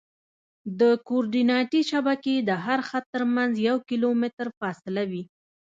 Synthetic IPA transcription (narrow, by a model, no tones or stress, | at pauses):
d̪əkoɾɖinɑʈiʃabaked̪əɦaɾxat̪ːəɾmanzjawkilomɪt̪ɾfɑsɪlawi